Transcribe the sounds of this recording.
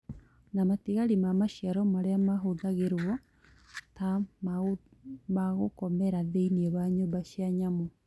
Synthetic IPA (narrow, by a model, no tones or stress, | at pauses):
namatiɣaɾimamaʃjaɾɔmaɾeamaɦoðaɣeɾwɔ | tama | maɣokɔmɛɾaðeinieβaɲoːmbaʃjaɲamo